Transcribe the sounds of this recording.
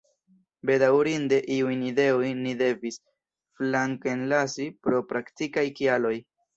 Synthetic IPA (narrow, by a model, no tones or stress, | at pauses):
be̞dawɾinde̞ʔiujnide̞ojnide̞vis | flaŋkenlasipɾo̞pɾaktikajkialo̞j